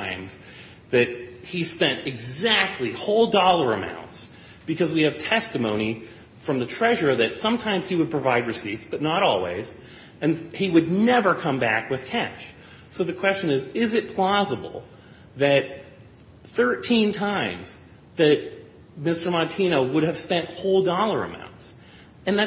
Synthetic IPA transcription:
ɪ̃mz̥ | ðɨt̚hispɛ̃ntɨɡzæk̚tʰˡlihoʊlˠdɔlˠə˞ɨmã̰ʊ̃nts | b̥ɨkʰʌzwiɨv̥tʰɛstɨmõʊ̃ni | fɹʌ̃mðɨtʰɹ̥ɛʒə˞ðɨtsʌ̃mtʰãɪ̃mz̥iwɨd̚pʰɹ̥ɨvaɪd̚ɹɨsitsb̥ʌtⁿnəɾɔlˠwḭɪz̥ | ɨ̃nhiwɨdⁿnɛvə˞kʰʌ̃mbækwɨð̥kʰæʃ | soʊðɨkʰw̥ɛst͡ʃɨ̃nɪzɪzɨt̚pʰl̥ɑzəbl̩ˠ | ðɨt̚ | θɜ˞tʰĩntʰãɪ̃mz̥ | ðɨt̚ | mɪstə˞mɑntʰĩñoʊwʊɾɨv̥spɛ̃nthoʊlˠdɔlˠə˞ɨ̰mã̰ʊ̃nts | ɨ̃nðɨ

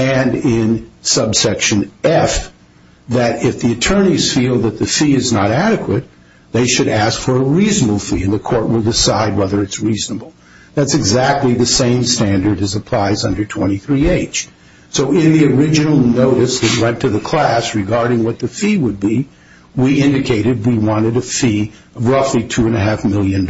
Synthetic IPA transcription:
ɨ̃nɪ̃nsʌbsɛkʃɨ̃nɛf | ðɨɾɪfðiɨtʰɜ̃˞niz̥filˠðɨt̪̚ðɨfiɨznəɾæɾɨkwɨt̪̚ | ðeɪʃɨɾæskfə˞əɹiznəbl̩ˠfiɨ̃nðɨkʰɔɹʔ̚wəlˠdɨsaɪd̚wɛðə˞ɨtsɹiznəbl̩ˠ | ðætsɨɡzæk̚tˡliðɨsẽɪ̃mstæ̃ndə˞ɾɨzəpʰl̥aɪzʌ̃ndə˞tʰw̥ɛ̰̃ɾ̃iθɹieɪt͡ʃ | soʊɪ̃nðiə˞ɪd͡ʒɨnl̩ˠnoʊɾɨsðɨt̚wɛ̃ntʰɨðɨkʰl̥æsɹɨɡɑɹɾɪ̃ŋwʌt̪̚ðɨfiwəd̚bi | wiɪ̃ndɨkʰeɪɾɨd̚wiwɑ̃ɾ̃ɨɾɨfi | ʌvɹʌflitʰʉɨ̃nɨɦæfmɪlˠjɨ̃n

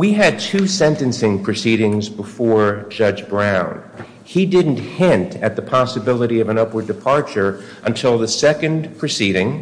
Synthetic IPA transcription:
wiɨd̚tʰʉsɛ̃ntɨ̃nsɪ̃ŋpʰɹ̥ɨsiɾɪ̃ŋzbəfɔɹd͡ʒʌd͡ʒbɹãʊ̃n | idɪdⁿn̩thɪ̃ntʰɨt̪̚ðəpʰɑsəbɪlˠəɾiʌvə̃nʌpwə˞dɨpʰɑɹt͡ʃə˞ | ʔə̃ntʰɪlˠðɨsɛkɨ̃npʰɹ̥ɨsiɾɪ̃ŋ

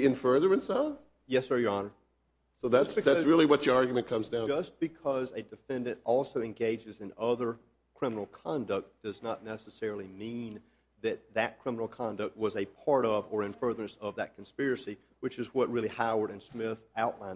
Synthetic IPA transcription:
ɨ̃nfɜ˞ðə˞ɨ̃nsa | jɛsə˞jə˞ɑnə˞ | soʊðæsɨðæɹɪlˠiwʌt͡ʃə˞ɑɹɡjmɨ̃nkʰʌ̃mzdãʊ̃nd͡ʒʌsb̥ɨkʰʌzɨdɨfɛ̃ndɨ̃ntɔlˠsoʊɨ̃nɡeɪd͡ʒɨzɨ̃nʌðə˞ | kʰɹ̥ɪ̃mənl̩ˠkʰɑ̃ndʌk̚t̚d̥ʌznətⁿnɛsəsɛɹl̩ˠimĩn | ðɨt̪̚ðɨt̚kʰɹ̥ɪ̃mənl̩ˠkʰɑ̃ndʌk̚t̚wʌzɨpʰɑɹɾʌvə˞ɨ̃ɱfɜ˞ðə˞ɨ̃nsʌvðɨt̚kʰn̩spɪɹɨsi | wɨt͡ʃɨzwʌt̚ɹɪlˠihaʊə˞ɾɨ̃nsmɪθaʊʔˡlãɪ̃n

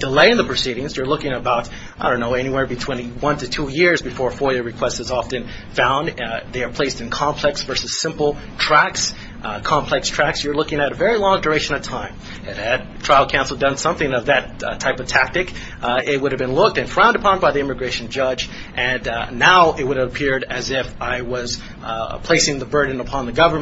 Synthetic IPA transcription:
d̥ɨleɪɨ̃nðəpʰɹ̥ɨsiɾɪ̃ŋzjə˞lʊkɪ̃ŋɨbaʊt | aɪɾõnːoʊɛñiwɛɹbɨtʰw̥ɪ̃ñiwʌ̃ntɨtʰujɪɹzbɨfɔɹfɔɹɨɹɨkʰw̥ɛstsɨzɑfɨ̃n | fãʊ̃nðeɪə˞pʰl̥eɪstɨ̃nkʰɑ̃mpʰl̥ɛksv̥ɜ˞sɨz̥sɪ̃mpl̩ˠ | tʰɹ̥æks | kʰɑ̃mpʰlɛkstʰɹ̥æksjə˞lʊkɪ̃ŋɨɾɨvɛɹilɔ̃ŋdə˞eɪʃɨ̃nʌv̥tʰãɪ̃m | ɨt̚ɨd̚tʰɹ̥aɪl̩ˠkʰãʊ̃nsl̩ˠdʌ̃nsʌ̃mθɪ̃ŋʌvðɨttʰaɪpʌv̥tʰæk̚tɨk | ɪt̚wʊɾɨvbɨ̃nlʊk̚tɨ̃nfɹãʊ̃ndəpʰɑ̃nbaɪðiɪmɨɡɹeɪʃɨ̃n̩d͡ʒʌd͡ʒ | ʔɨ̃nːaʊʔɪt̚wʊɾɨvəpʰɪɹɾɨzɪfaɪwʌz̥ | pʰl̥eɪsɪ̃ŋðɨbɜ˞dⁿn̩əpʰɑ̃nðɨɡʌvə˞

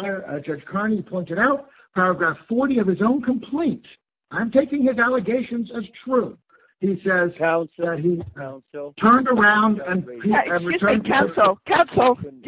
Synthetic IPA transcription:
ðə˞d͡ʒʌ̥d͡ʒ̥kʰɑɹnipʰɔ̃ɪ̃ntɨɾaʊt̚ | pʰæɹɨɡɹæfɔɹɾiʌv̥ɨzõʊ̃nkʰə̃mpʰl̥ẽɪ̃nt | ʔãɪ̃mtʰeɪkɪ̃ŋɨzælˠəɡeɪʃɨ̃nzɨz̥tʰɹ̥u | isɛzðɨt̚ɦi | tʰɜ̃˞ndə˞ãʊ̃ndɨ̃nʰiɹɨtʰɜ̃˞nʰasl̩ˠkʰãnsl̩ˠ

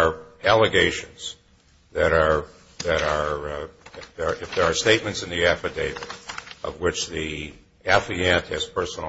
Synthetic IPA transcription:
ælˠəɡeɪʃɨ̃nz̥ | ðɨɾə˞ | ðɨɾə˞ | ə˞ɪfðə˞ːsteɪt̚mɨ̃ntsɨ̃nðiæfɨdeɪɾɨʔʌ̰vwɪt͡ʃði | æfiæ̃nt̚hɨz̥pʰɜ˞sn̩l̩

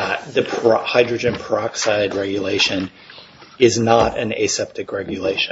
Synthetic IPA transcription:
ðɨpʰhaɪdɹɨd͡ʒɨ̃npʰə˞ɑksaɪd̚ɹɛɡjɨleɪʃɨ̃n | ɪznəɾɨ̰̃nḛɪsɛp̚tɨkɹɛɡjɨleɪʃ

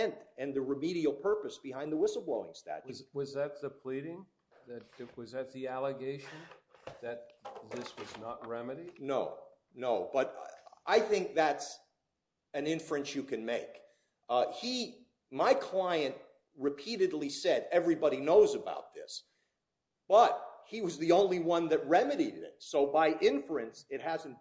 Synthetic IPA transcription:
ɛ̃ntɨ̃nðɨɹɨmiɾil̩ˠpʰɜ˞pɨsb̥ɨɦãɪ̃nðəwɪsl̩ˠbloʊɪ̰̃ŋstæ̰t͡ʃwʌzðɨt̪̚ðɨpʰl̥iɾɪ̃ŋ | ðɨt̚wʌzðɨt̪̚ðiælˠəɡeɪʃɨ̃nðɨt̪̚ðɪswʌznət̚ɹɛmɨɾi̥noʊ | noʊb̥ʌɾaɪθɪ̃ŋk̚ðæts | ɨ̃nɪ̃ɱfɹɨ̃nsjɨkɨ̃nmeɪk | hi | maɪkʰl̥aɪɨ̃nʔ̚ | ɹɨpʰiɾɨdˡlisɛɾɛvɹibɑɾinoʊzɨba̰ʊt̪̚ðɪ̰s | b̥ʌt̚hiwʌzðiõʊ̃nliwʌ̃nðɨt̚ɹɛmɨɾiɾɨɾɪ̰tsoʊbaɪʔɪ̃ɱfɹɨ̃nsɨt̚hæz̃n̩

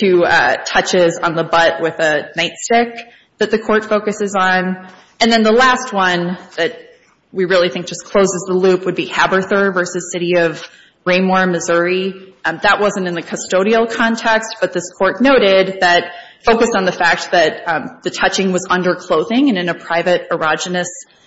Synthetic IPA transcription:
tʰɨʌtʰʌt͡ʃɪzn̩ðəbʌt̚wɪðɨnaɪtstɪk̚ | ðɨt̪̚ðɨkʰɔɹtfoʊkɨsɨzn̩ | ɨ̃nðɨ̃nðəlæst̚wʌ̃nðɨt̚ | wiɹɪlˠiθɪ̃ŋk̚d̥ʒ̥ʌskʰl̥oʊzɨzðəlʉpwɨd̚bihæbə˞θə˞vɜ˞sɨz̥sɪɾiʌv | ɹẽɪ̃mɔɹmɨzʊɹiðəʔ̚wʌzɨ̃n̩tɨ̃nðɨkʰɨstoʊɾil̩ˠkʰɑ̃ntʰɛkst̚b̥ʌt̪̚ðɪskʰɔɹtⁿnoʊɾɪd̪̚ðɨt̚ | foʊkɨsn̩ðɨfæk̚t̪̚ðɨt̪̚ðɨtʰʌt͡ʃɪ̃ŋwʌzʌ̃ndə˞kʰl̥oʊðɪ̃ŋɨ̃nɨ̃nɨpʰɹ̥aɪvɨɾə˞ɑd͡ʒɨnɨs

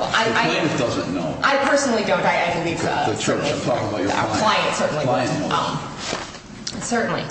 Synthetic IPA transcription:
ʔaɪaɪẽɪ̃d̥ʌzɨ̰̃nno̰ʊʔaɪpʰɜ˞sn̩l̩ˠidõʊ̃ndaɪɛ̃nĩðizʌ̰ɨtʰɹ̥ɪ̃tʰɔkɪ̃ŋəbaʊt͡ʃa̰l̥aɪɨ̃ntsɜ˞ʔn̩lilã̰ʌ̰̃m | sɜ˞ʔn̩lḭ

